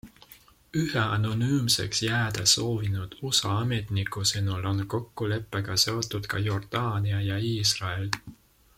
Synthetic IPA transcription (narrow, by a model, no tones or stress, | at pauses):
yheɑno̞nyːmse̞̰ksjæːd̪̥ɑso̞ːvinud̪̥usɑɑme̞t̪nikːˑusɤnulo̞nko̞kːule̞pːeɡ̥ɑse̞o̞t̪ːˑud̪̥kɑjo̞rd̪̥ɑːniɑjɑiːsrɑe̞l